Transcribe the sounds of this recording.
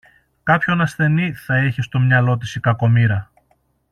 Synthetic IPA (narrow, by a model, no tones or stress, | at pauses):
kɐpço̞nɐsθe̞niθɐeçest̪o̞mɲɐlo̞t̪̬isikɐko̞miɾɐ